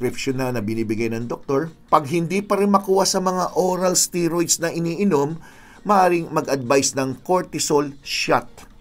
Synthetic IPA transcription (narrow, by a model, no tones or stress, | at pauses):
kɾɪpʃonalnɐbɪniːbɪɡajnɐŋd̪ok̚t̪o̞ɹpɐɡ̚ɦɪnd̪iːpɐɾɪnmɐkuːhɐsɐmɐŋaʔo̞ɾɐlst̪iɾojt̪snɐʔɪniːʔɪno̞mː | ɐʔaːɾɪŋmɐɡʔɐd̪̚bajsnɐŋkoɹt̪ɪsolʃat̪̚